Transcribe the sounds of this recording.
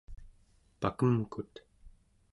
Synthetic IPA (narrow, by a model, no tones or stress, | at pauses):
pa̰kəmkut̪